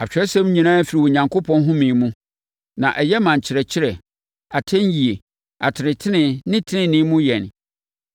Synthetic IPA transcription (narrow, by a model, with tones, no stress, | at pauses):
a˨t͡ɕᶣɛ˦sɛ̃˦m˦ɲĩ˨nãː˦fi˨ɾi˨wɔ˨ɲã˨ŋkʰo˦pʰɔ̃˦nɦʊ̃˦mĩ˨mũ˦ | nã̰˨ʔɛ˨jɛ˦mã˨ɲ˨t͡ɕʰɪ˨ɾɛ˨t͡ɕʰɪ˦ɾɛ˨ | a˨tʰɛ̃˦n˦ji˨e˨ | a˨tʰɪ˨ɾɪ̃˨tʰɪ˦nɪ̃˨nɪ̃˦tʰɪ˦nɪ̃˦˨nɪ̃˦mũ˦jɛ˨n